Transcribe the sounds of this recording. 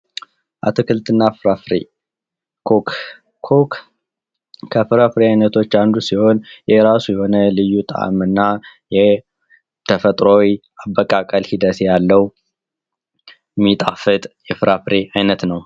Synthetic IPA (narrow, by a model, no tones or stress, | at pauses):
ʔa̰t̪ʰokʰɨlt̪ʰɨnːafɾafɾe | o | ok | kʰəfɨɾafɨɾeajnət̪ʰo̞t͡ʃːand̪usiho̞njɛɾasujɛho̞nəlɨjːut̪ʼa̰ʔmɨnːajɛ | t̪ʰəfət̪ʼɾowi | aβːəkʼakʼəlhid̪ət̪jalːəw | mit̪ʼafɨt̪ʼjɛfɨɾafɾeajnət̪nəw